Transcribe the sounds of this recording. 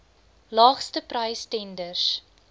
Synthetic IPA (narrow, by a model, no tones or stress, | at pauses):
lɑːχstəprɐjstɛndərs